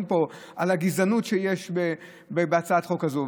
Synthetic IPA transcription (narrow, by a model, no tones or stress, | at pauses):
mpo̞ʔalaɡizanutʃejeʃbe | bebeat͡saat̪χo̞kazo